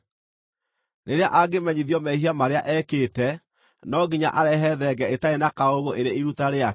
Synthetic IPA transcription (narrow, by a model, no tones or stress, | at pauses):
neɾeaʔaɡemɛɲiðjɔmɛiɦiamaɾeaʔɛkeːtɛ | nɔɡiɲa̰ʔaɾɛɦɛðɛɡɛetaenakaoɣoʔeɾeiɾutaɾea